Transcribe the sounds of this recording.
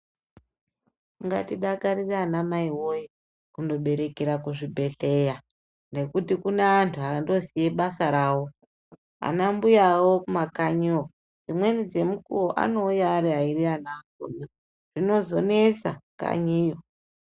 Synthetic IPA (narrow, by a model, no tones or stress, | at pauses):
iŋɡa̰tiɗakaɾiraːnamaiwo̞ji | kundo̞ɓe̞ɾe̞keɾakuʐibʱe̞ɬe̞ja | nde̞kutikuneantʰuɦando̞zije̞ɓasaɾaːwo̞ | a̰nambujawo̞kumakaɲiwo | d͡zimwe̞nid͡ze̞mukuroʔa̰no̞ujaːɾiɦairianako̰ni | ʐ̥ino̞zo̞ne̞sa̰ka̰ɲijo